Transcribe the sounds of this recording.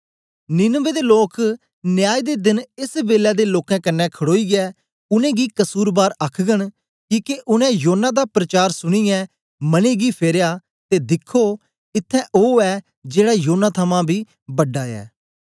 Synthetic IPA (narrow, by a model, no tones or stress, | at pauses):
nɪnʋeːd̪eːloːk | nɪjaːid̪eːd̪ɪnɪsbeːlɛːd̪eːloːkɛ̃ːkənːɛ̃ːkʰəɽoːiːɡɪɛː | ʊnẽːɡiːkəsuːɾbaːɾakʰɡəɳ̃ | kiːkeʔʊnɛ̃ːjoːnːaːd̪aːpɾət͡ʃaːɾsʊɽ̃iːjɛ̃ː | məneːɡiːpʰeːɾjaː | t̪eːd̪ɪkʰːoː | ɪt̪ʰːɛ̃ʔoːɛː | d͡ʒeːɽaːjoːnːaːt̪ʰəmãːbʱiː | bəɖːaːɛ̰ː